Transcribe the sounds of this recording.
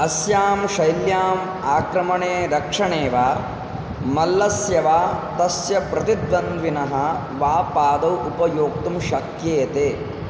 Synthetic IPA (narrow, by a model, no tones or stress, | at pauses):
ɐsjaːmʃɐjljaːm | aːkɾɐmɐɳeːd̪ɐkʂɐɳeːʋaː | mɐlːɐsjɐʋaːt̪ɐsjɐpɾɐt̪id̪ʋɐnd̪ʋinɐɦɐ̆ | ʋaːpaːd̪ɐwupɐjoːk̚t̪umʃɐkjeːt̪eː